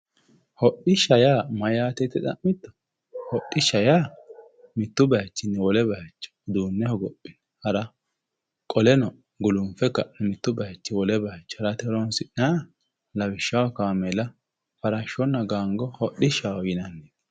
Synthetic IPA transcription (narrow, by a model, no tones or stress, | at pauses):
hɔɗɪʃɐjaːmɐjaːt̪ɛt̪ːɪɗɐ̰ʔɪt̪ːɔ̥ | hɔɗːɪʃɐjaː | mɪt̪ːʊbɐjɐt͡ʃːɪnːɛwɔlɛbɐjɐt͡ʃːɔ̥d̪uːnːɛhɔɡɔpʼːɪn | hɐɾɐ | kʼɔlɛnɔ | ɡʊlʊmfɛkːɐnɛmɪt̪ːʊbɐjɐt͡ʃːɪwɔlɛbɐjɐt͡ʃːhɐɾɐt̪ɛɾɔnsɪʔa | lɐbɪʃːɐwɐkaːmɛlɐ | fɐɾɐʃɔnːɐɡaːŋɡɔhɔʔɪʃawɔjɪnɐnːeːd̪